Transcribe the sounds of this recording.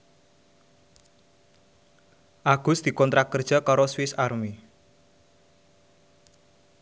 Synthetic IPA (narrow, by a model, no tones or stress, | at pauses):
ʔaɡ̥ʊ̤sd̪̥i̤kɔnt̪ɾakərd̥ʒ̥a̤kaɾɔswɪsarmi